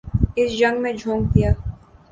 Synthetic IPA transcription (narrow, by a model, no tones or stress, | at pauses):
ɪsd͡ʒɐ̃ŋɡmẽd͡ʒʱõːŋɡ̚t̪ijaː